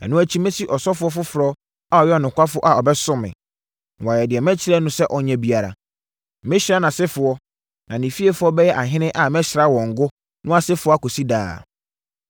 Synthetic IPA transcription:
ɛ̰˨nʊ̃˦æ˦t͡ɕʰi˦mẽ˦si˦ʔɔ˨sɔ˦fʊ˦ɔ˦fʊ˦fʊ˨ɾɔ˦ | a˨ɔ˨jɛ˦ɔ˨nʊ̃˨ŋkʷʰa˦fʊ˦ʔa˨ɔ˨bɛ˦sʊ̃˦mɪ̰̃˨ | wa˨jɛ˨dɪ˨ɛ˨mɛ̃˦t͡ɕʰɪ˦ɾɛ˦nʊ̃˦sɛ˦ʔɔ˨ɲɛ̃˨bi˨a˨ɾa̰˨˦ | mɪ̃˦ɕɪ˨ɾa˦nã˨sɪ˦fʊ˨ɔ˦ | nã˨nĩ˨fi˦e˦fʊ˦ɔ˦bɛ˦jɛ˦ʔa˨ɦɪ̃˦nɪ̃˦ʔa˨mɛ̃˦ɕɪ˨ɾa˦wɔ̃˨ŋ̩˨ɡʊ˦ | nʊ̃˦a˨sɪ˦fʊ˨ɔ˦a˦ko˨si˦da̰ː˨

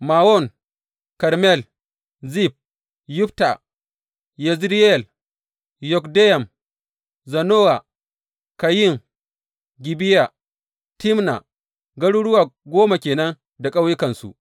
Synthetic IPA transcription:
maː˨wɔ˦˨ŋ | kɐ˨ɾmɛ˦˨l | zi˦˨p̚ | jʊ˦pta˨ | jɛ˨zɾi˦ɛ˨l | jɔ˨kdɛ˦jɐ˨m | zɐ˨noː˦wa˨ | ka˨jɪ˦˨ŋ | ɡʲi˨bi˦ja˨ | ti˦mna̰˨ | ɡɐ˦ɽuː˦ɽʊ˦waː˨ɡʷoː˦ma˨kʲeː˨nɐ˦n | da˨kʼa˦wjɪ˦kɐ˨nsṵ˨ʔ

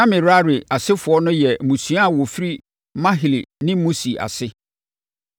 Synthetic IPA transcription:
ã˦mɪ̃˨ɾa˦ɾɪ˨a˨sɪ˦fʊ˨ɔ˦nʊ̃˦jɛ˨mũ˨sũ˨˦a˦a˨wɔ˨fi˦ɾi˦ | mã˦ɦɪ˨li˨nɪ̃˦mũ˦si˨a̰˨sɪ˦

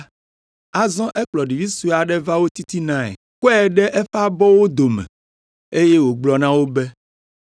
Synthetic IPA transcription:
a˨zɔ̃˦ʔɛ˦k͡plɔ˨ɖi˨vi˦su˦˨a˨ɖɛ˦va˦wo˦t̪i˦t̪i˦nã˦ɛ̰˨ | kɔ˦ɛ˨ɖɛ˦ʔɛ˦fa˦bɔ˦wo˦d̪o˨mɛ̰̃˨ | e˦je˦wo˨ɡ͡blɔ˨nã˦wo˦bɛ˦

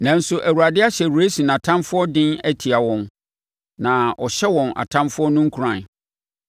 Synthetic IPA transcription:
nã˨n˦sʊ˨ʔæ˨wu˨ɾa˨dɪ˦a˦ɕɛ˨ɾu˨e˦sũ˨n˨ã˨tʰã˦mfʊ˦ɔ˦dɪ̃˦næ˦tʰi˨a˨wɔ̃˦n | nã˨ʔɔ˨ɕɛ˦wɔ̃˨na̰˨tʰã˦mfʊ˦ɔ˦nʊ̃˦ŋ̩˦kʰu˨ɾã˨n

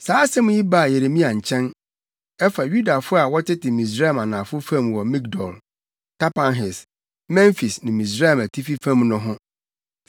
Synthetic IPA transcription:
saː˨˦sɛ˦mʊ̃˦ji˦ba˦˨je˨ɾe˨mĩ˦a˨ɲ̩˨t͡ɕʰɛ̃˦n | ɛ˦fa˨ɥu˦da˨fʊ˦a˨wɔ˦tɪ˦tʰɪ˨mĩ˨s̬ɾa˦ɛ˨ma˨nã˨fʊ˦fã˦˨mwɔ˨mĩ˦kdɔ̰˨l | tʰa˦pã˦nɦɪ˨s | mɛ̃˦ɱfi˨snɪ̃˨mĩ˨s̬ɾa˦ɛ˨mæ˨tʰi˦fi˦fã˦˨mnʊ̃˦ɦʊ̃˦

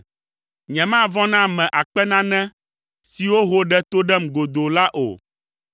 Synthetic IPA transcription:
ɲɛ̃˨mã˦˨vɔ̃˦nã˦mɛ̃˨ʔa˨k͡pɛ˦nã˦nɛ̃˦ | si˨wo˦ɦo˦ɖɛ˦t̪o˦ɖɛ˦mɡo˨d̪o˨la˦ʔo̰˨

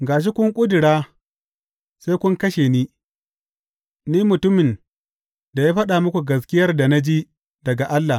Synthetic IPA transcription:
ɡaː˨ʃ̬i˦kʷʊ˦ŋkʷʼʊ˦dɪ˨ɽaː˦ | se˦kʷʊ˦ŋkɐ˦ʃeː˨niː˦ | niː˦mʊ˨tʊ˦mɪ˨n | da˨jaː˦ɸɐ˦ɗa˨mʊ˦kʷu˨ɡɐ˨s̬kʲɪ˦jɐ˦rda˨na˦d͡ʒiː˦ | dɐ˨ɡa˨ʔa˦lːa˨

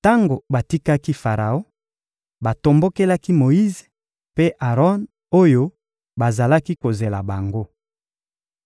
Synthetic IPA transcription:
ta˦ŋɡo˨ba˨ti˦ka˦ki˦fa˨ʁa˨o˦ | ba˨to˨mbo˦ke˦la˦ki˦mo˨i˦ze̥˨ | pe˦ʔa˨ʁɔ˦n | o˦jo˦ | ba˨za˨la˦ki˦ko˨ze˨la˨ba˨ŋɡo˦

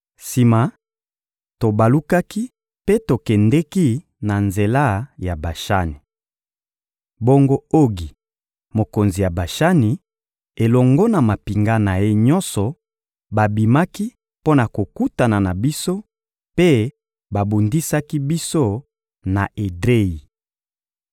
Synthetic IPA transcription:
si˨ma˨ | to˨ba˨lu˦ka˦ki˦ | pe˦to˨kɛ˨ndɛ˦ki˦ | na˨nze˨la˦˨ja˨ba˨ʃa̰˦ni˨ | bo˦ŋɡo˦o˦ɡi˨ | mo˨ko˨nzi˨ja˨ba˨ʃa˦ni˨ | e˨lɔ˨ŋɡɔ˦na˨ma˨pi˨ŋɡa˦na˨je˦ɲɔ˦nsɔ˨ | ba˨bi˨ma˦ki˦ | po˦na˨ko˨ku˦ta˨na˨na˨bi˦so˦ | pe˦ | ba˨bo˨ndi˦sa˦ki˦bi˦so˦ | na˨ʔe˨dʁe˦ji˨

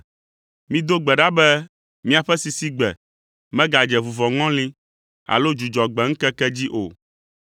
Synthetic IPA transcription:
mĩ˦d̪o˦ɡ͡bɛ˨ɖa˦bɛ˦ | mĩ˦a˨ɸɛ˦si˨si˦ɡ͡bɛ̰˨ | mɛ̃˦ɡa˨d͡ʒɛ˨vu˨vɔ˨ŋɔ̃˦lĩ˦ | a̰˨lo˦d͡ʒu˨d͡ʒɔ˨ɡ͡bɛ˨ŋ̩˦kɛ˦kɛ˦d͡ʑi˦ʔo̰˨

